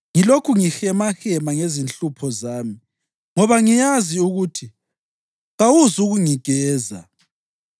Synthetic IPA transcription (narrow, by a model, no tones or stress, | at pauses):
ŋilokʰuŋixɛmaxɛmaŋezint͡ɬupʰɔzaːmi | ŋɔβaŋijaziuɣutʰi | ŋawuzuɣuŋiɡ̥ʱɛːza̰